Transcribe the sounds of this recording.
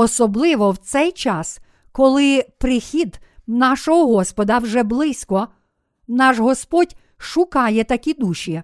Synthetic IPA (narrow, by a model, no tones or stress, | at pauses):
ɔsɔblˠɪʋɔwt̪sɛjt͡ʃɑs | kɔlˠɪpɾɪxʲid̪nɑʃɔɦɔɦɔspɔd̪ɐwʒɛblˠɪsʲkɔ | nɑʒɦɔspɔdʲ | ʃʊkɑjɛt̪ɐkʲid̪uʃʲi